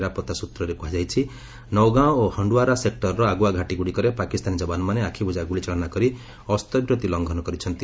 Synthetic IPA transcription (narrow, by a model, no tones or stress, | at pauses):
ɾapɔt̪ːasut̪ɾɔɾekuɦad͡ʒajt͡ʃʰi | nɔwɡãohɔɳɖuaɾasek̚ʈɔɾɾɔaɡuaɡʱaʈiɡuɽikɔɾepakist̪anid͡ʒɔbanɔmaneakʰibud͡ʒaɡuɽit͡ʃaɭɔnakɔɾi | ɔst̪ɔbɾɔt̪ilɔŋɡʱɔnɔkɔɾit͡ʃʰɔnt̪i